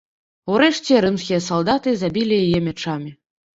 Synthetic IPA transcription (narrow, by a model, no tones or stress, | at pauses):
uɾɛʂt͡sʲɛɾɨmskʲijɐsalˠd̪at̪ɨzabʲilʲijajɛmʲɛt͡ʂamʲi